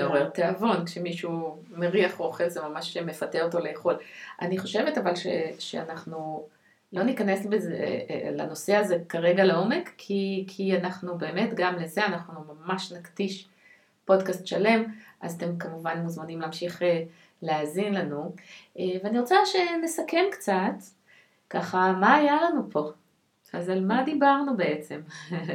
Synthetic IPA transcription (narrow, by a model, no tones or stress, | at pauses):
meoʁeʁteavo̞nkʃe̞miʃu | meʁiaχooχe̞lzemamaʃme̞fateoto̞leːχo̞lʔa̰niχo̞ʃe̞vetavalʃḛʃea̰naχnu | lo̞nikane̞sbezela̰no̞seaze̞kaʁeɡaleo̞me̞kʰːikʰianaχnube̞ːme̞tɡamleze̞anaχnumamaʃnakdiʃ | po̞dkastʃale̞mʔazat̪e̞mkamuvanmuzmanimleaːmʃiχe | leazinlanuʔeveaniʁot͡saʃe̞nesake̞mkt͡sat | kaχamaːjalanupʰo̞ | azalmadibaʁnube̞e̞t͡se̞m